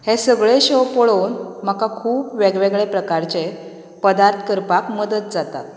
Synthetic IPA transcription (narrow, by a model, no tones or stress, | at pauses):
hesəɡɭeɕopoɭonm̤əkakʰuːpʋeɡʋeɡɭepɾəkaɾt͡ɕe | pəd̪aɾt̪ʰə̥kəɾpakməd̪ət̪̚d͡zat̪at̪